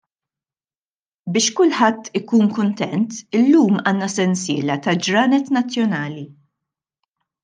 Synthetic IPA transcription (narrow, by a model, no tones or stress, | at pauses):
bɪːʃkʊlħɐt̪ːɪkuːnkʊnt̪ɛnt̪ɪlːuːmɐːnːɐsɛnsɪːlɐt̪ɐd͡ʒɾɐːnɛt̪nɐt͡sːjɔnɐːli